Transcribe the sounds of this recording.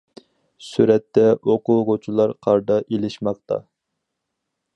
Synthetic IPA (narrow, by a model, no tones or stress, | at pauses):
syɾɛt̪ʰːɛʔoqʊʁot͡ʃʰulˠɑɾqʰɑɾd̪ɑʔelɪʃmɑq̚t̪ʰɑ̰